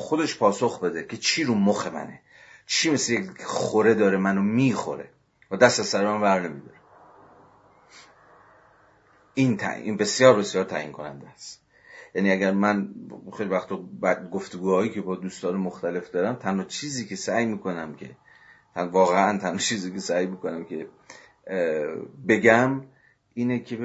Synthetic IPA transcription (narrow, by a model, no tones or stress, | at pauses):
xod̪eʃpʰɒːsoxbe̞d̪ekʰe̞t͡ʃʰiːɾuːmoxe̞mæ̰nḛ | t͡ʃʰiːmeslejeexoɾe̞d̪ɒːɾemænomiːxo̰ɾe̞̰ | væd̪æst̪æsæɾmænbæɾne̞mid̪ɒɾe | ʔint̪ʰæ̰ḭnbe̞sjɒːɾbesjɒːɾt̪ʰæʔḭnkʰo̞næ̰nd̪æst̪ | jæniːæɡæɾmænxejlivæxt̪ʰɒːbæd̪ɡoft̪eɡuːhɒːjiːcʰe̞bɒːd̪uːst̪ɒːnemoxt̪æle̞fd̪ɒːɾæmt̪ʰænhɒːt͡ʃʰiːziːkʰe̞sæjmiːkʰo̞næmkʲʰe̞̰ | t̪ʰævɒːɣeʔænt̪ʰænhɒːt͡ʃʰiːziːkʰe̞sæjmiːkʰo̞næmkʰe̞ | be̞ɡæm | ʔiːnekʰe